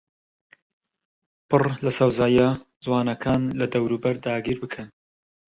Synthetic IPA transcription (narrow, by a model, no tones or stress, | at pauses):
pɨrlɐsɐwzaːja | zwɑːnɐkʰaːnlɐd̪ɐwɾuːbɐɾd̪aːɡiːɾbɨkʰɐn